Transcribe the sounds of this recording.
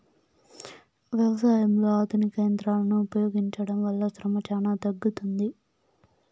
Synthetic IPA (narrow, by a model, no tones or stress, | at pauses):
ʋjɛʋɐsaːjɐmlo̞ːaːd̪ʱunikeːnd̪ɾaːlɐnuːpɐjo̞ːɡiɲt͡ʃɐɽɐmʋɐlːɐsɾɐmɐt͡ʃaːnaːt̪ɐɡːut̪und̪i